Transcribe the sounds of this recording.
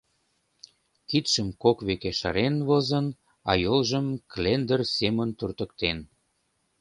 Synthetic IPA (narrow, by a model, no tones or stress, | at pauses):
kit̪ʃəmkokβekeʃɑ̰ɾenβozən | ɑ̰jolʒəmklend̪ərsemənt̪urt̪ə̆kt̪en